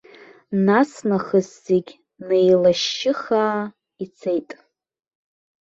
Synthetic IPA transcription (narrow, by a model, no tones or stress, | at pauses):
nasnaχəzːeɡʲ | nejlaʃɪχaː | it͡sʰejtʼ